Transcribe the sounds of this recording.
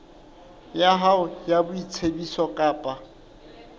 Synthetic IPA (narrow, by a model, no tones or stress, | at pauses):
jaɦaʊjabʊit͡sʰebisɔkʼaːpʼa